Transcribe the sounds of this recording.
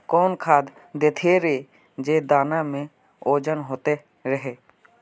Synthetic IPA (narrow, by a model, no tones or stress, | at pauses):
kɔːnkʰaːd̪ | d̪eːt̪ʰeɾeː | d͡ʒeːd̪aːnamẽ | oːd͡ʒənɦoːt̪e | ɾəɦeː